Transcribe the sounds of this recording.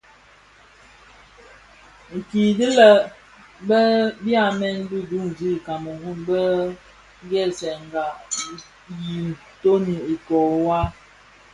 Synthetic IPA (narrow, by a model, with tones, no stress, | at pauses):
ŋ̩˨ki˨di˦lə˨ | bə˦bja˦mɛ˦n˦bu˦du˦ŋzi˦˨ka˨mə˨hu˦nbə˦ | ŋ˦ɡɛ˦sɛ˨ŋ˨ɡa˨ | ji˨n˨to˦ni˨i˨kɔ˨wa˦